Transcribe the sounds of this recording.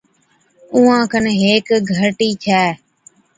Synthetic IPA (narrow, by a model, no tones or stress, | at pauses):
uːãːkʰənɦeːkɡʱəɾʈiːt͡ʃʰɛː